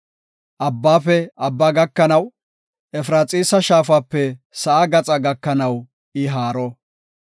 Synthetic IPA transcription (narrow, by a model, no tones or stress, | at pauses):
ʔɐbːaːfɛɐbːaːɡɐkːɐnɐw | ʔɛfɾaːt͡sʼiːsɐʃaːfaːpːɛsɐʔaɡɐt͡sʼɐɡɐkːɐnɐw | ɪɦaːɾɔ